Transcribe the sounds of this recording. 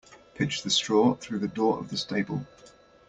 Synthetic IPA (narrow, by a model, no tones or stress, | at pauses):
pʰɪt͡ʃðəstɹ̥ɔːθɹʉːðədɔːɹə̰vðəsteɪbə̰lˠ